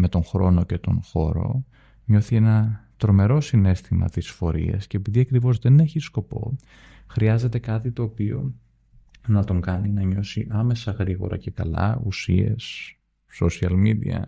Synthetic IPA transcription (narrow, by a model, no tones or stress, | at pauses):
me̞t̪o̞ŋxɾo̞no̞cet̪o̞̰nxo̞ɾo̞̰ | ɲo̞θie̞nɐt̪ɾo̞me̞ɾo̞sine̞st̪imɐ̰t̪isfo̞ɾḭɐ̰sce̞ːpiðiɐkɾivo̞zðe̞ne̞çisko̞po̞̰ | xɾiɐze̞t̪e̞kɐt̪it̪o̞ːpio̞ | nɐt̪o̞ŋkɐninɐɲo̞siʔɐme̞sɐɣɾiɣo̞̰ɾɐ̰ce̞kɐlɐ̰usie̞s | sosiɐlmid̪ḭɐ̰